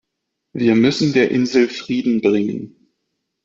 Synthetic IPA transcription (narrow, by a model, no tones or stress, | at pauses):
viːɐmʏsn̩deːɐʔɪnzl̩fʁ̥iːdn̩bʁɪŋə̰n